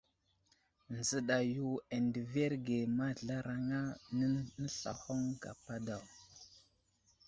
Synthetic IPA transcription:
nzə˨ɗa˨ju˦e˨ndə˨ve˦ɾɡe˨ma˦ɮa˦ɾa˨ŋa˦nə˦nə˦ɬa̰˨ho˦ŋɡa̰˨pa˦da˨w

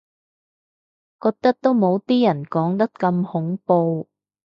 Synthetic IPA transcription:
kɔː˧k̚t̪ɐ˥k̚t̪o˥wmo˨˧wt̪iː˥jɐ˨˩nkɔː˨˥ŋt̪ɐ˥k̚kɐ˧mhʊ˨˥ŋpo˧w

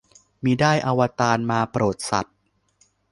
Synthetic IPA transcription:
miː˧daː˥˩jʔa˧wa˧t̪aː˧nmaː˧pɾoː˨˩t̪̚sa̰˨˩t̪̚

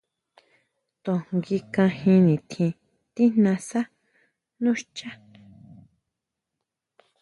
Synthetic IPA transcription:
t̪õ˨ŋɡi˧kã˧hĩ˧nĩ˨t̪ʰĩ˧ | t̪i˦nnã˧sa˦ | nũ˦ʃt͡ʃa˦

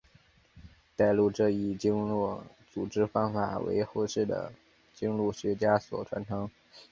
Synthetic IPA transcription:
t̪a˥˧ɪlu˥˧ʈ͡ʂɤ˥˧i˥˩t͡ɕi˥ŋ˥˩ | t͡su˨˩ʈ͡ʂɻ̩˥fɑ˥ŋfa̰˨˩wḛ˧˥ɪxo˥˧ʂɻ̩˥˩d̪ə̰˩ | t͡ɕi˥ŋlu˥˩ɕɥɛ˧˥t͡ɕja˥swɔ̰˨˩ʈ͡ʂʰwa̰˧˥nt̪ʰɤ˧˥ŋ

